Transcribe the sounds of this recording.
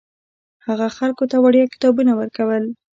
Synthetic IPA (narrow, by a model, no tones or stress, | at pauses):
haɣaxalkot̪awaɽjɑkɪ̥t̪ɑbunawəɾkawəl